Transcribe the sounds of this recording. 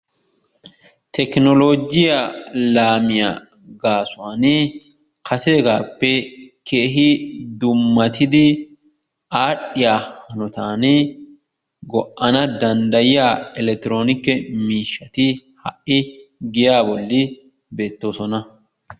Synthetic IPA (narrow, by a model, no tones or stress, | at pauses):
t̪ɛknɔloːɡɪjalaːmɪja̰ | ɡaːsʊwaːn | kɐseːɡaːpːɛkʰeːɦɪd̪ʊmːɐt̪ʰɪd̪ɪ | aːɗɪjaːhɐnɔt̪aːn | ɡɔʔʔɐnɐd̪ɐnd̪ɐjɪjaːɛlɛk̚t̪ːɪɾo̞ːnɪkːɛmiːʃːɐt̪ɪhɐʔɪɡɪjaːbɔlːɪ | be̞ːt̪ːo̞ːsɔnɐ